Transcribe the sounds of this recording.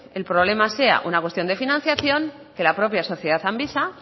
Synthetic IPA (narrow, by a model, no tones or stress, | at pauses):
e̞lpɾo̞βle̞mase̞a̰ʔunakwet̪jo̞nd̪e̞finãn̟θjaθjo̞ŋ | ke̞lapɾo̞pjaso̞θjeð̞aθambisa